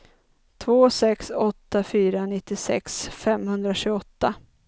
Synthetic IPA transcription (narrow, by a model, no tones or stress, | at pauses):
t̪ʰvoːsɛksɔt̪ːafyːɾanɪt̪ːɪsɛ̰ksfɛmhɵnd̪ɾaɕʉɡɔt̪ːa